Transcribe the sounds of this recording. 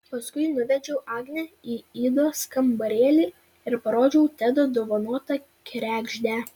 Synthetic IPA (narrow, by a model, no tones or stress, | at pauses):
pɐskʊɪnʊʋʲɛd͡ʒʲɛʊʔɑːɡnʲɛiːiːd̪oːskɐmbɐɾʲeːlʲiː | ɪɾpɐɾoːd͡ʒʲɛʊt̪ʲæd̪oːd̪oːʋɐnuɔt̪ɐ | kʲɾʲæːɡʒʲd̪ʲæ